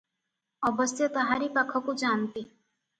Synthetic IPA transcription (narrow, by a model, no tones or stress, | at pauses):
ɔbəsjət̪əɦaɾipakʰɔkũd͡ʒant̪i